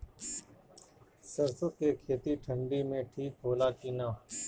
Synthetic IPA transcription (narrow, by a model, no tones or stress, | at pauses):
səɾsəkekʰeːt̪iʈʰə̃ɳɖimẽʈʰiːk̚ɦoːlakiːnaː